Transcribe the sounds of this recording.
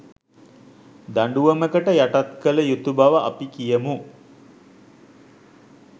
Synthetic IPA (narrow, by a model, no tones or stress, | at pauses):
d̪aɳɖuʋəməkəʈəjaʈat̪kələjut̪ubaʋəʔa̰pikijəmu